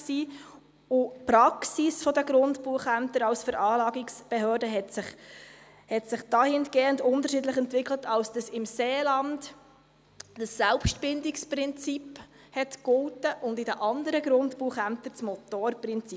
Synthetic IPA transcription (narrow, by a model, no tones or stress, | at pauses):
siː | ʊpɾɑksisfɔd̪əɡɾʊntpuəχæmt̪əɾɑwsfəɾʔɑːlɑːɡiksb̥ɛɦøːɾdəɦɛtsɪχ | hɛtsɪχd̥ɑhɪnɡ̥eːəndʊndəɾrʃidləχɛntʋɪklətʰɑwsd̥əsɪmseːlɑnd | d̥əsːælpʃtb̥ɪndɪksprɪnt͡sip | hɛtkʊltəʔʊndɪdəʔɑnd̪əɾəɡɾʊntpuːəχæmt̪ət͡smɔtoːɾprɪnt͡si